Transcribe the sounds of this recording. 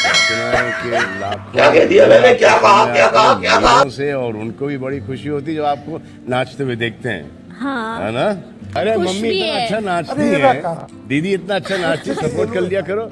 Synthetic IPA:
t͡ʃʊnaɛkela̰ːb̚kaːkɛːd̪ialelekjaːbaːkjaːbaːkjaːkãːseɔːɾʊnkobʱibɐɽixʊʃiɦoːt̪̬id͡ʒoaːp̚ko | nãːt͡ʃt̪ewed̪eːk̚ʰt̪eɦɛ̰̃ː | ɦaɦɛ̰̃ːna | ɐɾemɐmːiɪt̪naɐtːʃʰanãːt͡ʃt̪iɦɛ | d̪iːd̪iɪt̪naɐtːʃʰanãːt͡ʃt̪isɐpoːɾt̪̚kɐllijakɐɾoː

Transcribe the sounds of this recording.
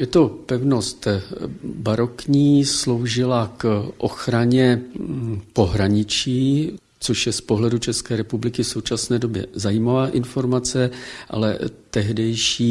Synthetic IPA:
jɛt̪o̞pɛvno̞st̪ | baɾo̞kɲiːslo̞wʒɪlakʔo̞xɾaɲɛ | po̞ɦɾaɲɪt͡ʃiː | t͡so̞ʃjɛspo̞ɦlɛdut͡ʃɛskɛːɾɛpublɪkɪfso̞wt͡ʃasnɛːdo̞bjɛ̰zajimavaːʔɪnfo̞ɾmat͡sɛʔa̰lɛ̰t̪ɛɦdɛjʃiː

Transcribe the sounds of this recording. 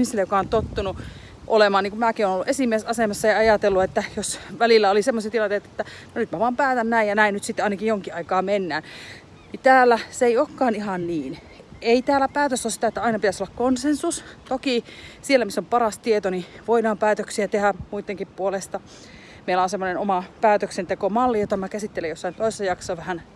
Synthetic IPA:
misilejokɑont̪ot̪ːunu | ʔolemɑːniːŋkumæːkionoluʔesimiesɑsemɑsːɑjɑɑjɑt̪elːuet̪ːæjosʋælilːæolisemːosit̪ilɑnt̪eˑt̪et̪ːænnyt̪mæʋoɑːmpæːt̪ænnæijjɑnæinnyt̪sit̪ːɑˑinɑkijjoŋkiʔɑikɑːmenːæːn | nit̪æːlːæseeiokːɑːnihɑnniːn | eit̪æːlːˑæpæːt̪øsosit̪æet̪ːæɑinɑpit̪æsolːɑkkonsensust̪okisielːæmisːompɑrɑst̪iet̪oniʋoinɑːmpæːt̪øksiæt̪ehæmuit̪ːeŋkippuolest̪ɑ | meilæonsemːonenomɑpæːt̪øksent̪ekomɑlːijot̪ɑmækæsit̪ːelejosːɑimt̪oˑsːæjɑksɑʋæhæn

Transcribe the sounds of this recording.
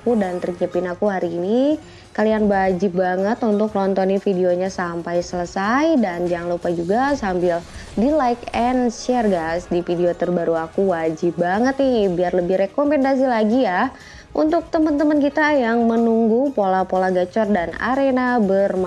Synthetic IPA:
kudant̪ɾit͡ʃəpɪnakuɦaɾiːni | kalianbad͡ʒɪp̚baŋət̪unt̪ʊklɔnt̪ɔnifidioɲasampajsələsajdand͡ʒaŋlupad͡ʒuɡasambɪl | dilajkɛnsɛrɡasdifideot̪ərbaɾuakuwad͡ʒɪp̚baŋət̪̚nibiarləbɪhrekompɛndas̬ilaɡija | ʔṵnt̪ʊk̚t̪əmənt̪əmənkit̪ajaŋmənuŋɡupolapolaɡat͡ʃɔrdana̰ɾenabərm

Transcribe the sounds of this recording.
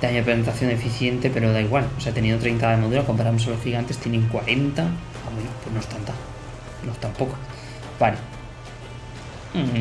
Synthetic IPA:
d̪̥aɲapɾesent̪aθjone̞fiθje̞nt̪e̞pe̞ɾoðaiɣwaloseat̪enĩnot̪ɾejnt̪aemaðuɾako̞mpaɾamosalo̞sxiɣant̪e̞st̪jeneŋkwaɾe̞nt̪a | awenopwenost̪ant̪a | nost̪ampo̞kḁ | bale

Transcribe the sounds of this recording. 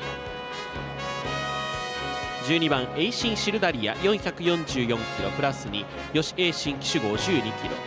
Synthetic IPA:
d͡ʑɨːɲ̟ibãɰ̃e̞iɕĩɰ̃ɕiɾɯ̟d̪aɾʲija̰jõɰ̃çakɯ̟jõ̞ɲd͡ʑɨːjõ̞ŋkʲiɾo̞pɯ̟ɾasɨɲ̟i | jo̞ɕi̥e̞ːɕĩŋkʲi̥ɕiɡo̞ːʑɨːɲ̟ikʲiɾo̞̰

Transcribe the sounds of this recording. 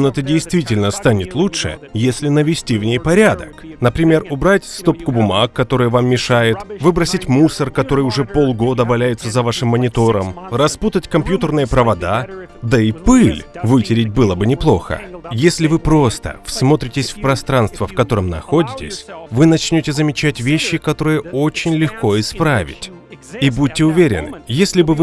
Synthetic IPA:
noɛt̪ədʲɪjst̪vʲitʲɪlʲnəst̪anʲɪt̪lˠutʂɨ̰jesʲlʲɪnəvʲɪsʲtʲivnʲejpɐɾʲad̪əknəpɾʲɪmʲe̞rʊbɾatʲst̪o̞pkʊbʊmakːɐt̪o̞ɾɨjəvamːʲɪʂajɪt̪vɨbɾəsʲɪtʲmusərkɐt̪o̞ɾɨjʊʐɛpo̞lˠɡo̞d̪əvɐlʲæjʊt̪səzɐvaʂɨmːənʲɪt̪o̞ɾəmrɐsput̪ətʲkɐmpʲjut̪ərnɨjəpɾəvɐd̪ad̪əɪpɨlʲvɨtʲɪɾʲɪt̚ʲbɨlˠəbɨnʲɪplˠo̞̰xə̰jesʲlʲɪvɨpɾo̞st̪ə̰fsmo̞t̪ɾʲɪtʲɪsʲfpɾɐst̪ɾanst̪vəfkɐt̪o̞ɾəmnɐ̰xo̞dʲɪtʲɪ̰sʲvɨnɐt͡ɕnʲo̞tʲɪzəmʲɪt͡ɕætʲvʲeɕːɪkɐt̪o̞ɾɨjəo̞t͡ɕɪnʲlʲɪxko̞ɪspɾavʲɪ̰tʲ | ibut̚ʲtʲːɪʊvʲeɾʲɪ̰nɨ̰jesʲlʲɪbɨvɨ

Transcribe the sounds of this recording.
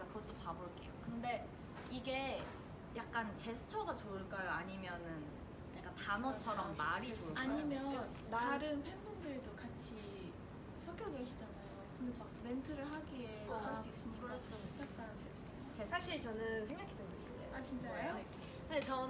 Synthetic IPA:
akɯɡʌt͈opaboɭk͈e̞̰jokɯnde̞ | iɡe̞ | jak̚k͈ant͡ɕe̞sʰɯ̥t͡ɕʰʌɡat͡ɕoɯɭk͈ajoaɲimjʌnɯn | nek͈atanʌt͡ɕʰʌɾʌmːaɾiaɲiimjʌn | maɾɯnpʰenmundɯɭdokat͡ɕʰi | sʰʌɡjoɡoiɕʰid͡ʑanajokɯndet͡ɕʌbentʰɯɾɯɭɦaɡieɦʌɭs͈uis͈ɯmkɯɾɯɭs͈ʰɯɾokot͈ak̚t͈anɯnt͡ɕe | esʰaɕʰiɭt͡ɕʌnɯnsʰeŋɡakʰideois͈ʌ̰jo̰at͡ɕint͡ɕ͈ao | net͡ɕʌ

